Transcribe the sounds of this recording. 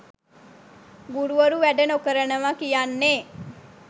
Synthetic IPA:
ɡuɾuʋəɾuʋæɖənokəɾənəʋakijanːeː

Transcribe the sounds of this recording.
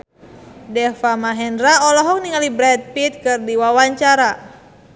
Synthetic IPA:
dɛfamaɦɛndɾaɔlɔɦɔk̚niŋalibɾɛt̪̚pit̪̚kɨrdiwawaɲt͡ʃaɾa

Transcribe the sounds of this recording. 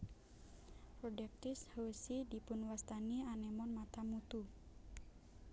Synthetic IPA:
pɾɔdɛk̚t̪ishosidipunwast̪anianɛmɔnmat̪amut̪u

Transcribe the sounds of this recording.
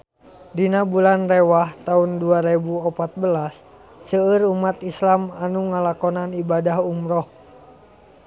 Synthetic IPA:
dinabulanrɛwaht̪aunduaɾɛbuɔpat̪̚bəlasː | əəɾumat̪islamanuŋalakɔnanibadaɦumɾɔh

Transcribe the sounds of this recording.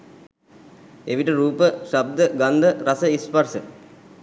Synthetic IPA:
eʋiʈəɾuːpəʃab̚d̪əɡand̪əɾɐsəispɐɾsə

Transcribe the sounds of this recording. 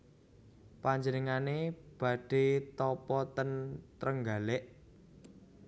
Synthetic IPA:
paɲd͡ʒənəŋaneb̥ä̤ɖ̥e̤t̪ɔpɔt̪ənt̪ɾəŋɡa̤lɪʔ

